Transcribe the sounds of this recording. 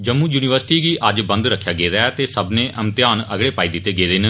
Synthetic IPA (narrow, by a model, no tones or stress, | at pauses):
d͡ʒəmũːjuːniːʋəɾsʈiːɡiːʔəd͡ʒbə̃nd̪ɾəkʰːjaːɡeːɾɛɛt̪eːsəbnẽːʔəmt̪jaːnə̰ɡɽeːpaːiːd̪ɪt̪ːeːɡeːd̪en